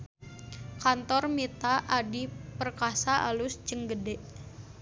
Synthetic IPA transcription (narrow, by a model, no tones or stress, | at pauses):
kant̪ɔrmit̪aʔadipərkasaʔa̰lʊst͡ʃəŋɡədɛʔ